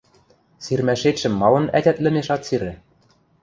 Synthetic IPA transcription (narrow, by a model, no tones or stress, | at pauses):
sirmæʃet̪ʃɘ̆mːɑlɤ̆næt̪ʲæt̪lɘ̆meʃɑt̪siɾɘ̆